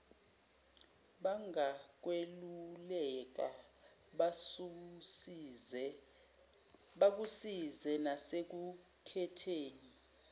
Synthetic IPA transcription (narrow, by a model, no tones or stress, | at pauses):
ɓaŋak̬welulɛk̬a | ɓak̬usizɛnasek̬u | kʰɛtʰeːni